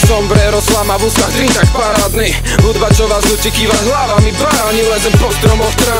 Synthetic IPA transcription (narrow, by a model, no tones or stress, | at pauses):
sɔmbɾɛɾɔslamabust̪ad̪ɾint̪akpaɾad̪ni | bud̪bat͡ʃɔʋazucʲɛkiʋaɦlaʋamid̪ʋaɾaɲilɛzɛpɔst̪ɾɔmɔst̪ɾa